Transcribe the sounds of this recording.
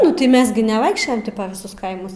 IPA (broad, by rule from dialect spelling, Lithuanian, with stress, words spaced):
ˈnʊ tɐɪ ˈmʲɛs ɡʲɪ nʲɛˈʋɐɪkʃʲt͡ʃʲoːjɛm ˈtʲɪ pɐ ʋʲɪˈsʊs ˈkɐɪmʊs